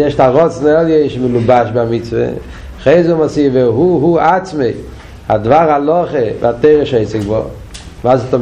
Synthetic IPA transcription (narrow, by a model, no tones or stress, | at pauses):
jɛʃtaʁɔt͡sn̩ɛlˠjeʃmɪlˠubaʃbamɪt͡svə̰ | χeɪzʊmasivɛɦuɦuat͡smeɪ | hadvaʁalˠɔχəv̰ateɪʁəʃeɪt͡sɪɡbɔ̰ | maːsɔtɔ